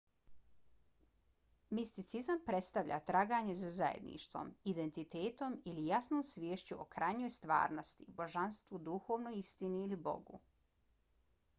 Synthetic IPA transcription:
mist̪it̪sizampɾe̞t̪st̪aʋʎa̰t̪ɾaːɡaɲe̞zazajḛd̪nḭʃt̪ʋo̞̰mid̪e̞nt̪it̪eːt̪o̞milijasnoːmsʋʲjeːʃt͡ɕuokɾajɲo̞ːjst̪ʋa̰ːɾno̞st̪ibo̞ʒanst̪ʋud̪uxo̞ːʋnojist̪iniːlibo̞̰ɡṵ

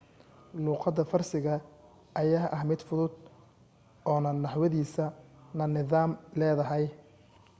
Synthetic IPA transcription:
luːqɑd̪ɐfɐrsɪɣɐ | ʔɐjaːʔɐhmɪd̪fʊðʊd̪ | ɔːnɐnɑħwɐðiːsɐnɐnɪðaːmlɛːðɐɦɛj

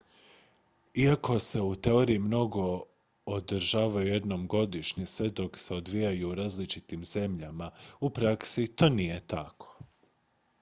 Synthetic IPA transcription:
iako̞se̞ut̪e̞o̞ɾiːmno̞ɡo̞ | od̪ɾʒaːʋajuje̞d̪no̞mɡo̞d̪iʃɲesʋe̞d̪o̞kse̞od̪ʋijajuːɾaːzlit͡ʃit̪imz̥e̞mʎamaupɾaksit̪o̞ːnije̞t̪akʰo̞̥

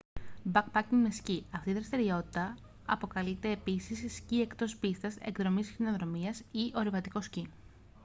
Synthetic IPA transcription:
bɐkpɐciŋmesciɐft̪iðɾɐst̪iɾio̞t̪i̥t̪ɐ | ɐpo̞kɐlit̪e̞ːpisisscie̞kt̪o̞spist̪ɐse̞̰kðɾo̞misçino̞ðɾo̞miɐsiʔo̞ɾivɐt̪iko̞sci

